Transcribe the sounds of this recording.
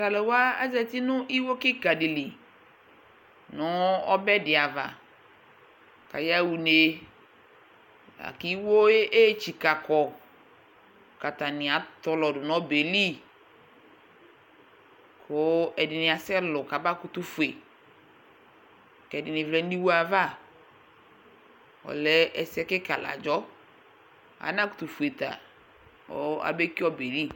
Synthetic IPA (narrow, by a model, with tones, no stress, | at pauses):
ta˨lɛ˨wa˦ɛ˦zɛ˦t̪i˦nʊ̃˦ʔi˦wo˦kɪ˦ka˨dɪ˨li˨ | nʊ̃˦ɔ̰˦bɛ˦dɪ˨a˨va̰˨ | ka̰˨ja˦wu˨ne˦ | a̰˨ki˦wo˦e˦ʔe˦t͡ʃi˨ka˨kɔ˨ | ka˨ta˨nɪ̃˨a˨t̪ɔ˦lɔ˨dʊ˨nɔ̃˦be˨li˦ | kʰʊ˨˦ɛ˨dɪ˨nɪ̃˨a˨sɛ˦lʊ˨ka˨ba˦kʊ˨t̪ʊ˦fu˨e˨ | kɛ˨dɪ˨nɪ˨vlɛ˨˦n̩˦di˦wu˦a˨va˦˨ | ɔ̰˨lɛ˦ɛ˨sɛ˦kɪ˦ka˨la̰˨d͡ʒɔ˦ | a̰˨˦na˦kʊ̥˨t̪u˨fu˨e˨t̪a̰˨ | ɔ̰˦a̰˨be˦ki˦ɔ˦be˨li˦